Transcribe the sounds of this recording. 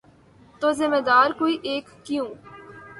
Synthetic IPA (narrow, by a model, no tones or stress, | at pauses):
t̪oːzɪmed̪aːɾkoːiʔeːkːɪjũː